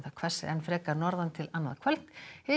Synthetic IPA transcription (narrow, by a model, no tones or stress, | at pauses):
θakʰvɛsɪ̰ɛnfɾɛːkanɔɾðant̪ʰɪlanːaðkʰvɛl̥t̪hɪ